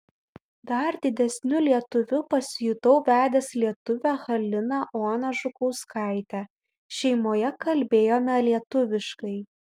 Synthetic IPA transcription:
d̪ɐɾd̪ʲɪd̪ʲɛsʲnʲʊlʲiɛt̪ʊʋʲʊpɐsʲjʊt̪ɐʊʋʲæːd̪ʲɛslʲiɛt̪ʊʋʲæxɐlʲɪnɑʔoːnɐʒʊkɔʊskɑˑɪt̪ʲæ | ʃʲɛɪmoːjɛkɐlʲbʲeːjoːmʲɛlʲiɛt̪ʊʋʲɪʃkɐɪ

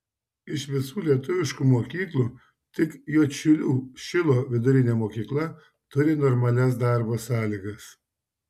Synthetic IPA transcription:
ɪʃʋʲɪsuːlʲiɛt̪ʊʋʲɪʃkuːmoːkʲiːklˠuː | t̪ʲɪkjoːt͡ʃʲʊlʲuːʃʲɪlˠoːʋʲɪd̪ʊɾʲɪnʲemoːkʲiːklˠɐ | t̪ʊɾʲɪnɔɾmɐlʲɛs̬d̪ɑˑɾbosɑːlʲiɡɐs

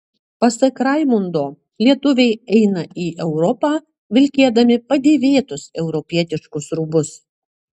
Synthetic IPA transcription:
pɐsɐkɾɐɪmʊnd̪oː | lʲiɛt̪ʊʋʲɛɪɛɪnɐʔiːʔɛʊɾɔpɑː | ʋʲɪlʲkʲeɛd̪ɐmʲɪpɐd̪ʲeːʋʲeːt̪ʊsɛʊɾɔpʲiɛt̪ʲɪʃkʊsɾʊbʊs

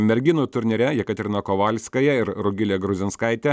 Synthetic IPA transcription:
mʲɛɾʲɡʲɪnʊt̪ʊɾʲnʲɛɾʲɛjɛkɐt̪ʲɾʲɪnɐkoːʋɐlʲsʲkɐjɛɪɾɾʊɡʲɪlʲeːɡɾʊzʲɪnskɐɪt̪ʲɛ

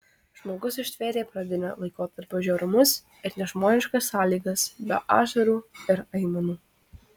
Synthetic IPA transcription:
ʒ̥moːɡʊsɪʃʲt̪ʲʋʲeːɾʲeːpɾɑːd̪ʲɪnɐ̰lˠɐɪkoːt̪̚ʲt̪ːɐɾpɐʒʲoːɾʊmʊs | ɪɾnʲɛʒmoːnʲɪʃkɐsːɑːlʲiːɡɐsbʲɛ̰ʔɑ̰ːʒɐɾuːɪɾɐɪmɐnuː

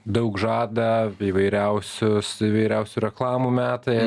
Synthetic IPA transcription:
d̪ɐʊkʒɑːd̪ɐiːʋɐɪɾʲɛʊsʲʊsiʋɐɪɾʲɛʊsʲuːɾʲɛklˠɑːmuːmʲæːt̪ɐɪ

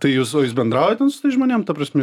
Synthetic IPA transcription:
t̪ɐɪjuːsoːjuːsbʲɛnd̪ɾɑːʊjɛt̪ʲɛnsʊ̥t̪ɐɪʒmoːnʲeːmt̪ɐpɾɐsʲmʲɛ

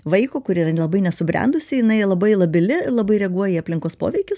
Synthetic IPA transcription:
ʋɐɪkoːkʊɾʲiːɾɐlˠɐbɐɪnʲɛsʊbʲɾʲɛ̰nd̪ʊsʲɪjɪnɐɪlˠɐbɐɪlˠɐbʲɪlʲɪlˠɐbɐɪɾʲɛɡuɔjɛːɐpʲlʲɪŋkoːspo̰ːʋʲɛɪkʲʊs

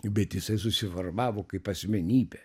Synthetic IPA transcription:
bʲɛt̪jɪsɐɪsʊsʲɪʋɐrʋɑːʋoːkɐɪpɐsʲmʲɛnʲiːbʲɛ

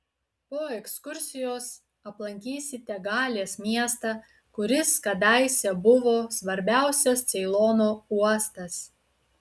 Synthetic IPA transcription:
poːɛkskʊɾʲsʲɪjoːs | ɐplˠɐŋʲkʲiːsʲɪt̪ʲɛɡɑːlʲeːsmʲiɛst̪ɑ | kʊɾʲɪskɐd̪ɑɪsʲɛbʊʋoːsʋɐɾʲbʲæˑʊsʲɛst̪sʲɛɪlˠoːnoːuɔst̪ɐs

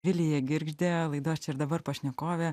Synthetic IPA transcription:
ʋʲɪlʲɪjɛɡʲɪɾʲɡʒʲd̪ʲeːlˠɐɪd̪oːst͡ʃʲɛɪɾd̪ɐbɐɾpɐʃʲnʲɛkoːʋʲɛː

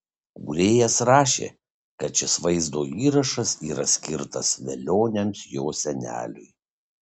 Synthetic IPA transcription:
kṵːɾʲeːjɛsɾɑːʃʲḛː | kɐt̪̚t͡ʃʲɪsʋɐɪzd̪oːiːɾɐʃɐsiːɾɐsʲkʲɪɾt̪ɐsʋʲɛlʲoːnʲɛnt̪joːsʲɛnʲæ̰ːlʲʊ̰ɪ

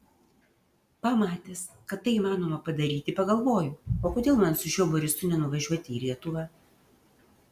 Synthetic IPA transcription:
pɑmɑːt̪ʲeːs | kɐt̪ːɐɪiːmɑːnoːmɐpɐd̪ɐɾʲiːt̪ʲɪpɐɡɐlˠʋoːjʊoːkoːd̪ʲeːlˠmɐnsʊʃʲuɔboɾʲɪst̪ʊnʲɛnʊʋɐʒʲuɔt̪ʲɪːlʲiɛt̪ʊʋɑː

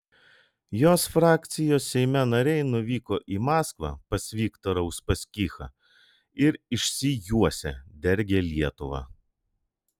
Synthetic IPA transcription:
joːsfɾɑːkt̪sʲɪjoːsːʲɛɪmʲɛnɐɾʲɛɪnʊʋʲiːkoːʔiːmɑːskʋɑ̰pɐsʲʋʲiːkt̪oɾɐʊspɐsʲkʲiːxɐ̰ | ɪɾɪʃʲsʲɪjuɔsʲɛd̪ʲɛɾʲɡʲeːlʲiɛt̪ʊʋɑ̰ː

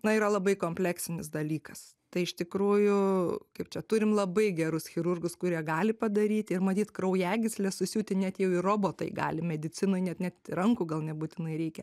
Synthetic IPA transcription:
nɐiːɾɐlˠɐbɐɪkoːmʲpʲlʲæksʲɪnʲɪsd̪ɐlʲiːkɐs | t̪ɐɪɪʃt̪ʲɪkɾuːjʊkɐɪp̚t͡ʃʲɛt̪ʊɾʲɪmlˠɐbɐɪɡʲɛɾʊsxʲɪɾʊrɡʊskʊɾʲiɛɡɑːlʲɪpɐd̪ɐɾʲiːt̪ʲɪrmɐt̪ʲiːt̪kɾɐʊjæːɡʲɪsʲlʲɛsʊsʲuːt̪ʲɪnʲɛt̪jɛʊɪroːboːt̪ɐ̰ɪɡɑ̰ːlʲɪmʲɛd̪ʲɪt͡sʲɪnoːɪnʲɛt̪nʲɛt̪ʲɪɾɐŋkʊɡɐlˠnʲɛbuːt̪ʲɪnɐɪɾʲɛɪkʲɛ

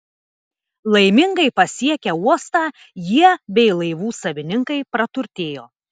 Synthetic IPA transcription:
lˠɐɪmʲɪŋɡɐɪpɐsʲiɛkʲɛuɔst̪ɑː | jiɛbʲɛɪlˠɐɪʋuːsɐʋʲɪnʲɪŋkɐɪpɾɐt̪ʊɾʲt̪ʲeːjoː

